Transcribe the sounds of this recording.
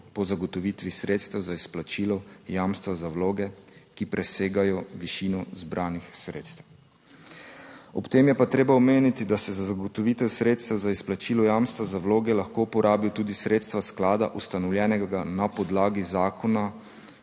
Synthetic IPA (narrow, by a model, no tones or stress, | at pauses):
pɔzaɡɔt̪ɔʋiːt̪ʋisɾeːt̪st̪ɛwzaisplat͡ʃiːlɔjaːmst̪ʋazawloːɡɛkipɾʔɛseːɡajɔʋiʃiːnɔzbɾʔaːnixsɾḛːt̪st̪ɛw | ɔpt̪eːmjɛpat̪ɾeːbaɔmeːnit̪id̪asɛzazaɡɔt̪ɔʋiːt̪ɛwsɾeːt̪st̪ɛwzaisplat͡ʃiːlɔjaːmst̪ʋazawloːɡɛlaxkoupɔɾaːbjɔt̪uːd̪isɾeːt̪st̪ʋasklaːd̪a̰ʔust̪anɔwljɛːnɛɡɡanapɔd̪laːɡizaːkʰɔna